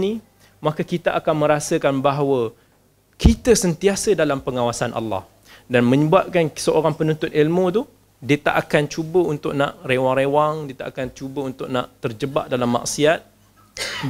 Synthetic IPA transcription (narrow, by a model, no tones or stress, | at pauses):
ni | makəkit̪aʔakanmə̃ɾasəkanbaɦwə | kit̪əsənt̪iasədalampəŋawasanʔa̰lːɑ̰h | danmə̃ɲəbuaʔ̚kansəʔoɾaŋpənunt̪ʊt̪̚ilmũt̪̬u | diət̪a̰ʔakant͡ʃubəunt̪ʊʔ̚naʔrewaŋɾewaŋdiət̪a̰ʔakant͡ʃubəunt̪ʊʔ̚naʔt̪ərd͡ʒəba̰ʔdalamːa̰ʔsiat̪̚